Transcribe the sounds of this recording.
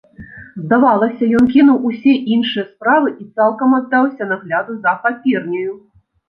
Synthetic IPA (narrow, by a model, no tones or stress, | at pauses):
zd̪avalˠɐsʲɐjɔnkʲinuwusʲɛʔinʂɨjɐspɾavɨʔit̪salˠkɐmad̪ːawsʲɐnaɣlʲad̪uzɐxapʲirnʲɐju